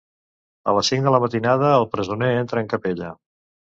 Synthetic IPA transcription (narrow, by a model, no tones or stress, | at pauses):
ə̰ləsiŋd̪ələmət̪inað̞əːlˠpɾəzuneent̪ɾəːŋkəpeʎə̰